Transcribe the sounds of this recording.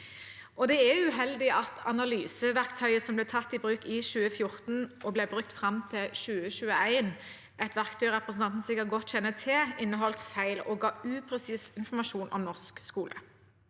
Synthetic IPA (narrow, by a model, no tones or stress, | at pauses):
ʔɔd̪ɛɛʉɦɛld̪ɪʔɑt̪ʰɑ̰nɑlyːsəʋæʁkt̪ʰœʏəsɔmblɛːt̪ʰɑt̪ːɪbʁʉːkɪʃʉːəfjʊʁt̪n̩ʔɔblɛbʁʉk̚t̪fʁɑmt̪ʰɪlʃʉːəɕʉːəæɪn | ʔɛt̪ʋæʁkt̪ʰœʏʁɛpʁəsn̩ʰɑnt̪n̩sɪkəʁɡɔt̪ɕɛnːət̪ʰɛɪnːəɦɔlt̪fæɪlɔ̰ɡɑːʉːpʰʁɛsiːsɪnfɔmɑʃuːnʔɔ̰mnɔʁskskuːlə